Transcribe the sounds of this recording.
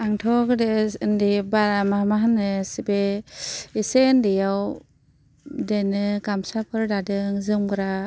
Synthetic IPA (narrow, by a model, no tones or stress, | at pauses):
aŋtʰɔkɯdendibaɾamamaɦanɯsibe | iseɯndijaw | denɯkamsapʰɯɾdadɯŋzɯmɡɯɾa